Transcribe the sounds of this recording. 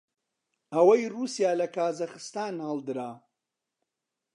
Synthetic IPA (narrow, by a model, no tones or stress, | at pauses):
ɐwɐjruːsijaːlɐkʰaːzɐxɨst̪aːnhaːld̪ɨɾaː